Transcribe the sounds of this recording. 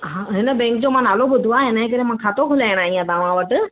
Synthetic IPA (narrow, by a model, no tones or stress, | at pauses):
ɦãɦɪnəbẽːŋk̚d͡ʑomãnaːlobʊd̪ʱuaɦɪnaːẽk̬əɾemãkʰaːt̪okʰʊlaːɪɽ̃aːɦĩãd̪aːʋãʋəʈ